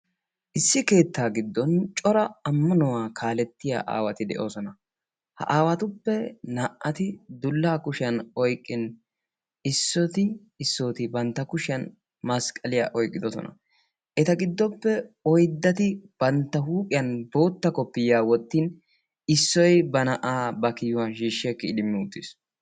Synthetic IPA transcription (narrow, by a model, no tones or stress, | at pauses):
ʔɪsːɪke̞ːt̪ːaːɡɪd̪ːɔnt͡ʃʼɔɾɐɐmːɐnɔwaːkʰaːlɛt̪ːɪja̰ːʔa̰ːwɐt̪ɪd̪ɛ̰ʔoːsɔnɐ | hɐ̰ʔaːwɐt̪ʊpːɛnɐʔʔɐt̪ɪd̪ʊlːaːkʊʃɪjɐnɔjkʼːɪn | ɪsːɔt̪ɪ | ɪsːoːt̪ɪbɐnt̪ːɐkʊʃɪɐn | mɐskʼɐlɪja̰ːʔɔjkʼːɪd̪ɔsɔ̰nɐ̰ | ʔɛt̪ɐɡɪd̪ːɔpːɛɔjd̪ːɐt̪ɪb̥ɐnt̪ːɐɦuːkʼɪjɐnbo̞ːt̪ːɐkɔpːɪjːaːwɔt̪ːiːn | ɪsːɔjbɐnɐʔaːbɐkɪjʊwɐnʃiːʃːɪɛkːɪːd̪ɪmːɪʊt̪ːɪs